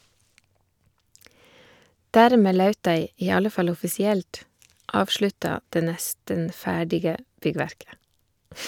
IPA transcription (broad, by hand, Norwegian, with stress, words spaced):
ˈdæːɾˌmeː ˈlɑʉt ˈdæɪ ˈiː ˈɑlə ˈfɑl ɔfɪsɪˈɛlt ˈɑːʋʃɭʉtɑ ˈdeː ˈnɛstən ˈfæːɖɪɡə ˈbʏˌɡʋæɾkə